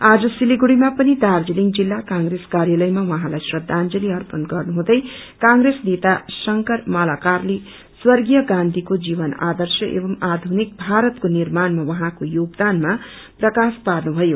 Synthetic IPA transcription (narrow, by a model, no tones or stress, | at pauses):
ad͡zʌsiliɡuɽimapʌnid̪ard͡ziliŋɡd͡zilːakaŋɡreskaɾjalʌjmawʌɦãlajsrʌd̪ʱːand͡zʌliʌrpʌnɡʌrnuɦũd̪ʌjkãŋresnet̪asʌŋkʌrmalakarli | swʌrɡijʌɡãnd̪ʱikod͡zibʌna̰d̪ʌrsjʌʔḛbʌmad̪ʱunik̚bʱaɾʌt̪konirmanmawʌɦãkojoɡd̪anma | prʌkasparnubʱʌjo